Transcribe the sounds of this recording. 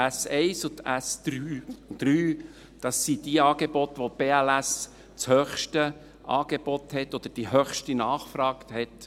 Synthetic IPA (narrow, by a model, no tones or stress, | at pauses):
æsɛɪsʊt̪æsɾyːd̪̥ɾyː | d̥ɑsːid̥̪iəɑːɡ̥ebɔt̪ʋob̥eːælæs | t͡shœχʃtə | ʔɑ̰ːɡ̥ebɔt̪hɛt̪ːɔd̪̥əɾd̥iɦœχʃtinɑːχfɾɑːkhɛt